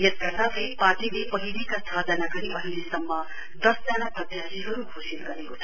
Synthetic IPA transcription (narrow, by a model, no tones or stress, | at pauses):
jet̪̚ɐt̪apepaːʈilepʌɦilikast̪ʰad͡zanaɡʌɽipʌɦilisʌmːʌ | d̪ʌsd͡zalaprʌd̪jasiɦʌɾuɡʱosilɡʌɾekot̪ʰʌ